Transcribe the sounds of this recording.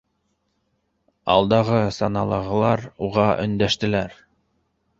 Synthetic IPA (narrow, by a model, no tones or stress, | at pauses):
ɑ̰lˠd̪ɑʁɤsɑnɑlˠɑʁɤ̆lˠɑɾuʁɑʔɵ̆nd̪æʃt̪ɘ̆læɾ